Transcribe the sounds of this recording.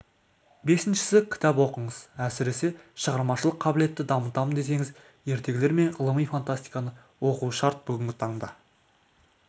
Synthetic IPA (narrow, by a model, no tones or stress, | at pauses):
be̞sɪnʃɪ̥sɪkʲʰɪ̥t̪ɑpwo̞qəɴəz̥æsɪɾe̞se̞ʃəʁɑɾmɑʃəlˠəqʰːɑbɪle̞t̪ːɪd̪ɑmət̪ɑmənd̪e̞se̞ŋɪz | je̞ɾt̪e̞ɡʲɪle̞ɾme̞ɴʁəlˠəmijfant̪ast̪ijkanə | wo̞quʃɑɾt̪̚bʏɡʲɪŋɡʲɪt̪ʰɑɴd̪ɑ